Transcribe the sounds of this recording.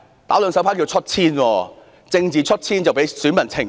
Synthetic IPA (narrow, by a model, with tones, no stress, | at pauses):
t̪aː˨˥wlœ˨˧ŋspʰaː˨˥ŋk̬i˧wt͡ʃʰɵ˥t̚t͡sʰiː˥nwɔː˧ | t͡sɪ˧ŋt͡siː˨˩t͡ʃʰɵ˥t̚t͡sʰiː˥nt͡sɐ˨wpe˨˥jsyː˨˥nmɐ˨˩nt͡sʰɪ˨˩ŋ